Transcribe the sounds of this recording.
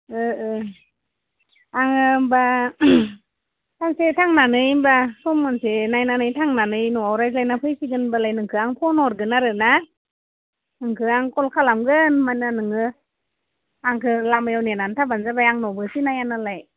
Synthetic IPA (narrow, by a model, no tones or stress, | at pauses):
ɯɯ | aŋɯba | tʰaŋsetʰaŋnanɯjmbasɔmːansenajnanɯjtʰaŋnanɯjnɔawɾajslajnapʰɯjsiɡɯnbalajnɯŋkʰɯaŋpʰɔnɔɾɡɯnaɾɯna | ɯŋkʰɯaŋkɔlkʰalamɡɯnmajnanɯŋɯ | aŋkʰɯlamajawnenantʰabanzabajaŋnɔbɯsinajanalaj